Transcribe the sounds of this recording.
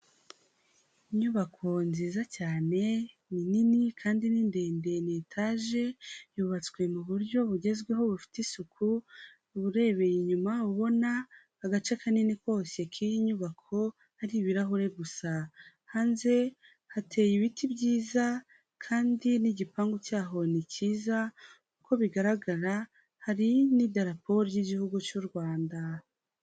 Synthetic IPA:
iɲuβakʰo̞nziːzacaːne̞ | nininikʰaːndiniːnde̞ːnde̞netʰaʒe̞juβat͡swe̞muβuɾɟo̞βuɟe̞zɡwe̞ɦo̞βufi̥tisukʰu | βuɾe̞ːβe̞jiɲumauβo̞naː | ɡat͡ʃekʰaniniko̞ːse̞kʰijiɲuβakʰo̞ | haɾiβiɾaɦoɾe̞ɡusa | haːnze̞ | hatʰe̞ːjiβitʰibɟiːza | kʰaːndiniɟipaːŋɡucaːɦo̞niciːzakuko̞βiɡaɾaɡaɾa | haɾinidaɾapo̞ɾjiɟihuɡut͡ʃuɾɡwaːnda

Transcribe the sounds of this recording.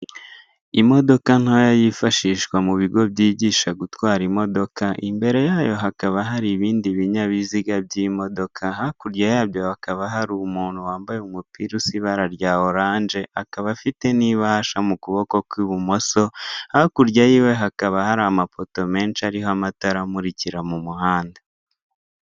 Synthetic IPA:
imo̞do̞kan̥ajajifaʃiːʃkwamuβiɡo̞bjiːɟiːʃaɡutwaːɾimo̞do̞kaʔimbe̞ɾe̞jaːjo̞ɦakaβaɦaɾiβiːndiβiɲaβiziɡabɟiːmo̞do̞kʰaɦakuɾɟajaːβjo̞akaβaɦaɾumuːnhuwaːmbajeumupiɾusiβaɾaɾɟaoɾaːnd͡ʒe̞ʔakaβafite̞niβaʃamukuβo̞ko̞kwiβumoso̞hakuɾɟajiːwe̞ɦakaβahaɾamafo̞to̞me̞ːnʃaɾiɦoamataɾamuɾiciɾamumuhaːnda

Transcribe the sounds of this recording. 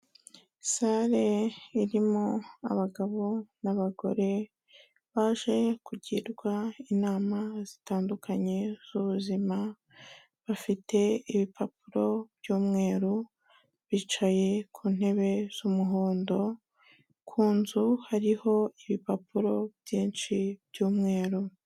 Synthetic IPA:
saɾe̞iɾimoa̰βaɡaβo̞naβaɡo̞̰ɾe̞ | βaːʒe̞kuɟiɾɡwainaːmaz̥i̥taːndukʰaɲe̞z̥uβuzima | βafite̞iβipʰapuɾo̞bjuːmŋe̞ːɾu | βiːt͡ʃaje̞kʰuːn̥e̞βe̞z̥umuɦoːndo̞ | kʰuːnzuhaɾiho̞iβipapuɾo̞bjiːnʃibjuːmŋe̞ːɾu

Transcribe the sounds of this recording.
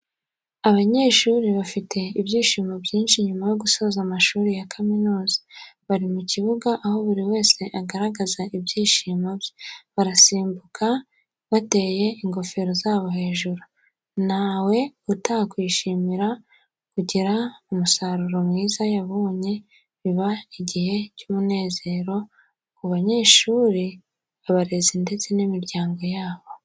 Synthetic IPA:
aβaɲe̞ːʃuːɾiβafite̞ibjiːʃiːmobjiːnʃiɲumajo̞ɡuso̞zamaʃuːɾijakʰaminuːzḁβaɾimuciβuɡaʔaho̞βuɾiwe̞ːse̞ʔaɡaɾaɡazaʔibjiːʃiːmobjeβaɾasiːmbukʰa | βate̞je̞iŋɡo̞fe̞ɾozaːβo̞ɦe̞ːʒuɾu | nawe̞utakwiːʃiːmiɾa | kuɟiɾaumusaɾuɾomŋiːzajaβoɲe̞ | βiβaiɟihe̞cumune̞ːze̞ːɾo̞ | kuβaɲe̞ːʃuːɾi | aβaɾe̞zinde̞t͡se̞nimiɾɟaːŋɡo̞jaːβo̞

